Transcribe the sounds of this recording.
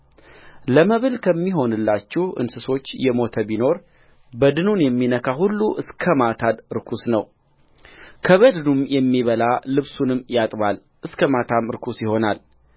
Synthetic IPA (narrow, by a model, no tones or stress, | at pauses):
ləməβɨlkʰəmːiɦo̞nɨlːat͡ʃːɛhʔɨ̰nsɨso̞t͡ʃːjɛmo̞t̪ʰəbino̞ɾ | bəd̪ɨnunjɛmːinəkʰahulːuʔɨskʰəmat̪ʰad̪ɨɾkʰusnəw | kʰəβəd̪ɨnumjɛmːiβəlalɨβsunɨmːjat̪ʼβal | ʔɨskʰəmat̪ʰamɾkʰusjɪho̞nal